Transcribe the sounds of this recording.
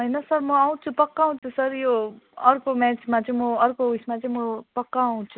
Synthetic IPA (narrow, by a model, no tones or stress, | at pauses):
ɦʌjnʌsʌɾmʌaw̃t͡sʰupʌkːaũt̪usʌɾjoʌɾkomɛt͡smat͡sʰʌĩmʌʌɾkousmat͡sʌĩmʌpʌkːaw̃t͡sʰu